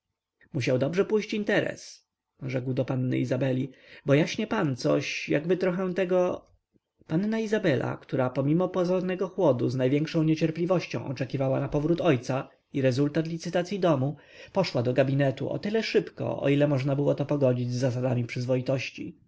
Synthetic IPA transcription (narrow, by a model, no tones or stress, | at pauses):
muɕawd̪ɔbʐɛpujɕt͡ɕint̪ɛɾɛ̰s | ʐɛɡwd̪ɔpanːɘ̰izabɛlʲibɔjaɕɲɛpant̪sɔɕjaɡbɘt̪ɾɔxɛ̃t̪ɛɡɔ | panːaizabɛlʔa̰kt̪uɾapɔmʲimɔpɔzɔɾnɛɡɔxwɔd̪uznajvjɛŋkʂɔ̃w̃ɲet͡ɕɛɾplʲivɔɕt͡ɕɔ̰̃w̃ʔɔt͡ʂɛkʲivawanapɔvɾut̪ɔjt̪sa | iɾɛzult̪at̪lʲit̪sɘt̪at̪sʲjid̪ɔmu | pɔʂwad̪ɔɡabʲinɛt̪ṵʔɔ̰t̪ɘlɛʂɘpkɔ̰ʔɔ̰ilɛmɔʐnabɘwɔt̪ɔpɔɡɔd͡ʑid͡ʑzːas̬ad̪amʲipʂɘzvɔit̪ɔɕt͡ɕḭ